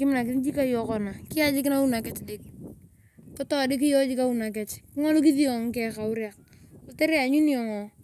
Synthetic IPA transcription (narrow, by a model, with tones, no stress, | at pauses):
kɪ˦mɪna˨k̬ɪ˨n˦d͡ʒi˦ka˦jɔ˨˦kɔ˨na˨kɪ˦a˦d͡ʒɪ˦k̬ɪ˦na˦u˦na˨kɛ˨˦t͡ʃde˦ki | kɔ˦tɔ˦dɪ˦k̬i˦jɔ˦d͡ʒi˦ka˦u˦na˨k̬ɛ˨t͡ʃkɪ˦ŋɔ˦lʊ˦k̬i˦ði˦ɔ˨ŋ˦kɛ˦ka˨ʊ˦ɾja˨k̚ | o˨te˦ɾi˦a˨ɲu˦ni˦ɔ˨ŋɔ˨